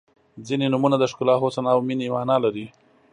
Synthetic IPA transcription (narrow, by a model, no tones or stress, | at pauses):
d͡zinenumunad̪əʃkʊlɑxosanɑwminemɑnɑlaɾi